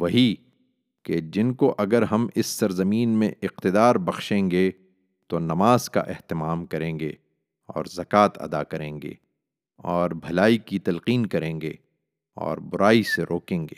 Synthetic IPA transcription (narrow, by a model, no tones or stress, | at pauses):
ʋɐɦi | ked͡ʒɪnkoʔɐɡəɾɦɐmɪsːɐɾzɐmiːnmḛ̃ʔɪq̚t̪ɪd̪aːɾbɐxʃẽːŋɡe | t̪onɐmaːz̥ka̰ʔɛɦt̪ɪmaːmkɐɾẽːŋɡe | ɔ̰ːɾzɐkaːt̪ɐ̰d̪akɐɾẽːŋɡḛː | ɔːɾbʱɐlaːikit̪ɐlqiːnkɐɾẽːŋɡeː | ɔ̰ːɾbʊɾaːiseɾoːkẽːŋɡeː